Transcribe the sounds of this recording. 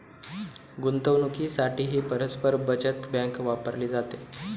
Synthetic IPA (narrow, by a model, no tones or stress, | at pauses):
ɡunt̪əʋnukiːsaʈʰiːɦiːpəɾəspəɾbəd͡ʑət̪bjãŋkʋapəɾliːd͡zat̪e